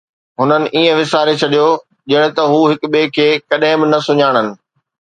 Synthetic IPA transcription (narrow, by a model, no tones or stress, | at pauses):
ɦʊnənɪ̆ʔiːə̃ʋɪsaːɾet͡ɕʰɐɗijo | d͡ʑɐɽ̃ɪ̃̆t̪ɐɦuːɦɪkɓeːkʰeːkɐɗɦɪ̃bɪnɐsʊɲaːɽ̃ənɪ̆